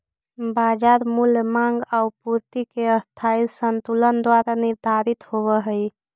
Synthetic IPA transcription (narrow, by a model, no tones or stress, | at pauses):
bad͡ʒaɾmulmaŋɡaʊpuɾt̪ikeəst̪ʰaisənt̪ulənd̪waɾaniɾd̪ʱaɾit̪hoβəɦəj